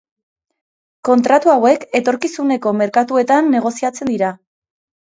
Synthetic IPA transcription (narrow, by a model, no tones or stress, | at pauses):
ko̞nt̪ɾat̪uawe̞ke̞t̪o̞ɾkisune̞ko̞me̞ɾkat̪ue̞t̪anːe̞ɣ̞o̞siat͡se̞nd̪iɾa